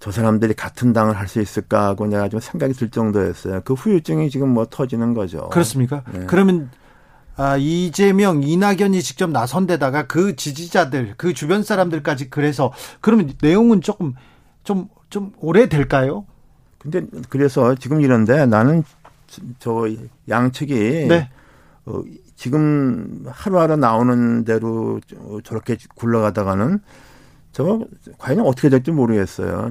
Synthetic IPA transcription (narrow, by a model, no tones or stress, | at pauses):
t͡ɕʌsʰaɾamdɯɾikatʰɯndaŋɯɭɦaɭs͈uis͈ɯɭk͈aɡoneɡat͡ɕomsʰe̞ŋɡaɡitɯɭt͡ɕ͈ʌŋdoɦes͈ʌjokɯɸujut͡ɕ͈ɯŋit͡ɕiɡɯmːwʌtʰʌd͡ʑinɯnɡʌd͡ʑo̰kɯɾʌs͈ɯmɲik̬͈akɯɾʌmjʌn | aid͡ʑe̞mjʌŋinaɡjʌɲit͡ɕik̚t͡ɕ͈ʌmnasʰʌnde̞daɡakɯt͡ɕid͡ʑid͡ʑadɯɭkɯt͡ɕubjʌnsʰaɾamdɯɭk͈ad͡ʑikɯɾe̞sʰʌkɯɾʌmjʌnne̞joŋɯnt͡ɕ͈ok͈ɯm | t͡ɕom | t͡ɕomoɾe̞dwe̞ɭk͈ajo | kɯnde̞kɯɾe̞sʰʌt͡ɕiɡɯmiɾʌnde̞nanɯn | t͡ɕʌjaŋt͡ɕʰɯɡine | ʌ̰ | t͡ɕiɡɯmhaɾuɦaɾɯnaonɯnde̞ɾoʌt͡ɕʌɾʌkʰe̞kuɭːʌɡadaɡanɯn | t͡ɕʌkwajinʌnʌtʰʌkʰeek̚t͈omoɾɯɡe̞s͈ʌ̰jo̰